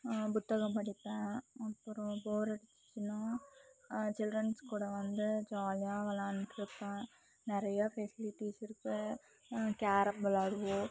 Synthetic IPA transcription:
pʊt̪ːɐɣɐ̃mpɐɽɪp̪ːɛ̃ːɐpːɔɾʊ̃poːɾɐɽɪt͡ʃːt͡ʃːɪnaː | t͡ʃɪlɖɾɐnskuːɽɐʋɐnd̪ɯd͡ʒaːlɪjaːʋɐlaːnʈɪɾɯpːɛ̃ː | nɪɾɐjɐfɛsɪlɪʈːiːsɪɾɯkːɯ | kaːɾɐmbɐlaːɽɯʋõ

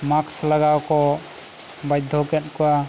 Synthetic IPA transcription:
makslaɡawkɔ | bajd̪ʱːɔkɛtkuwa

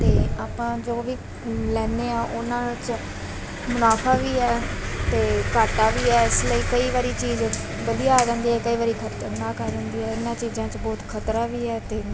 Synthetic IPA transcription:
t̪eːaːpãːd͡ʒoːʋiː | lɛːneːãːʔʊnãːt͡ʃ | mʊnaːpʰaːʋiːɛːt̪eːkaːʈaːʋiːɛːɪsləiːkəiːʋaːɾiːt͡ʃiːz | bəlijaːd͡ʒə̃ːnd̪iːɦɛːkəiːʋaːɾiːkʰəɾt͡ʃənaːkəɾdənd̪iːɦɛːɪnãːt͡ʃiːzãːt͡ʃbɔːt̪kʰət̪ɾaːʋiːɛːt̪eː

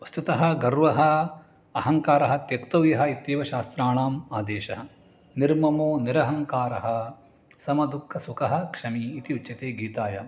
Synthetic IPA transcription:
ɐst̪it̪ɐɦɐ̆ɡɐɾʋɐɦɐ | ɐɦɐŋkaːɾɐɦɐt̪jɐkt̪ɐʋjɐɦɐit̪jeːʋɐʃaːst̪ɾaːɳaːmaːd̪eːʃɐɦɐ̆ | niɾmɐmoːniɾɐɦɐŋkaːɾɐɦɐ̆ | sɐmɐd̪ukʰːɐsukɐɦɐ̆kʂɐmiːt̪iut͡ʃːjɐt̪eːɡiːt̪aːjɐ

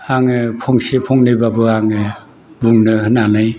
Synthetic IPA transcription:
aŋɯpʰɔŋsepʰɔŋnɯjbabɯaŋɯ | buŋnɯhɯnanɯj

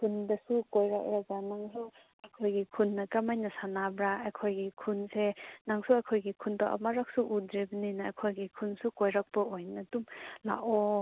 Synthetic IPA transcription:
kʰunbɐsukojɾak̚ɾaɡanaŋsu | akʰojɡikʰunːɐkamajnɐsanabɾaakʰojɡikʰunsenaŋsuakʰojɡikʰundaʔmaɾak̚suʔudɾibəninɐakʰojɡikʰunsukojɾak̚pɐojnɐdumla̰ʔo

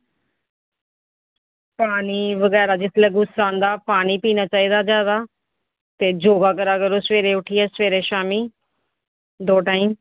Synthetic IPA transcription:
paːniːʋəɡɛːɾaːd͡ʒɪt̪ʰlɛːɡʊsːaːnd̪aːpaːniːpiːnaːt͡ʃaːiːd̪aːd͡ʒaːd̪aː | t̪eːd͡ʒoːɡaːkəɾaːkəɾoːsʋeːɾeːʊʈʰiːɛːsʋeːɾeːʃaːmiː | d̪oːʈaːiːm

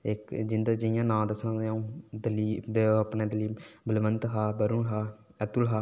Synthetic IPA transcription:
ɪkd͡ʒɪnd̪aːd͡ʒəɪjãːnãːd̪əsãd̪eũːd̪əliːd̪eəpneːd̪əliːbəlʋənt̪ɦaːbəɾunɦaː | ət̪ʊlɦaː

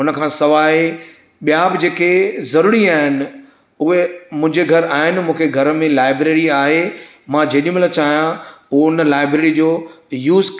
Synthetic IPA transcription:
ɦʊnəkʰãːsɐʋaːɦe | ɓijaːbɪd͡ʑeːkezɐɾuːɾiaːɦɪnɪ̆ | ʊɦemʊ̃ɦɪ̃ɲd͡ʑeɡʱɐɾaːɦɪnɪ̆mũːkʰeɡʱɐɾəmẽlaːɪbɾeːɾiaːɦe | mãd͡ʑeːɗij̃mlat͡ɕaːɦjãʊɦoʊnəlaːɪbɾeːɾid͡ʑoː | juːz

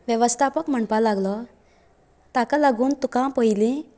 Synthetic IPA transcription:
ʋjəʋəst̪ʰapəkm̤əɳpalaɡlɔ | t̪akalaɡuːnt̪ukãpəjlĩ

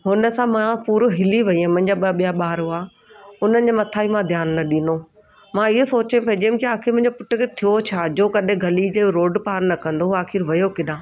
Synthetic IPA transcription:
ɦʊnə̆sãmãpuːɾɦɪliʋɐiãmɐ̃ɦɪ̃ɲd͡ʑaɓɓijaɓaːɾoaː | ʊn̤ənɪ̆d͡ʑemɐt̪ʰaːimãd̪ʱjaːnːɐɗĩno | mãɪɦosoːt͡ɕẽpɐd͡ʑĩːmkiaːxɪɾmʊ̃ɦɲd͡ʑopʊʈːʊkʰet̪ʰijot͡ɕʰad͡ʑoːkɐɗɪ̃ɡʱɐlid͡ʑeːɾoːɖpaːɾnɐkɐ̃nd̪oaːxɪɾʋɐjokɪɗãː

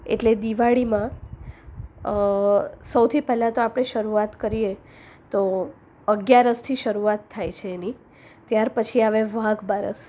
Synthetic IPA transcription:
ḛʈled̪iʋaɽimã | səwt̪ʰipɛɦlat̪oapɽ̃eʃəɾuat̪kəɾije | t̪o | əɡjaɾəst̪ʰiʃəɾuat̪ʰːajt͡ʃʰeːni | t̪jaɾpət͡ʃʰiaʋeʋãɡbaɾə̰s

